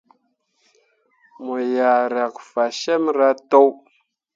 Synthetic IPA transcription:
mo˨ja˨ɾa˨kfa˨ʃe˦mɾa˦to˦w

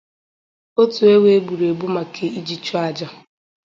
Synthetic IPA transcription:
o˦tu˨e˦we˦bu˨ɾe˨bu˦ma˨kʰe˨i˦d͡ʒi˦t͡ʃɔ˦a˨d͡ʒa˦

